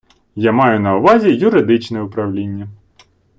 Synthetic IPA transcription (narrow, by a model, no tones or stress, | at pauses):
jamɑjʊnɐʊʋɑzʲijʊɾɪd̪ɪt͡ʃnɛʊpɾɐwlʲinʲːɐ